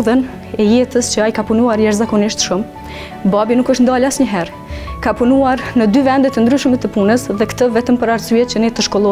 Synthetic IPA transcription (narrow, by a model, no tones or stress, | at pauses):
ðən | ɛjɛt̪əst͡ɕəajkapunuaɾjɛɾzakɔniʃt̪ʃum | babinukəʃt̪nd̪alasɲəɦɛɾ | kapunuaɾnəd̪yvɛnd̪ɛt̪ənd̪ɾyʃmɛt̪əpunəsðɛkt̪əvɛt̪əmpəɾaɾsyɛt͡ɕənɛt̪əʃkɔlˠɔ